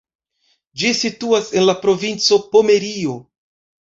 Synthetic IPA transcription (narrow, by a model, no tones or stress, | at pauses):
d͡ʒisituase̞nlapɾo̞vint͡so̞pome̞ɾio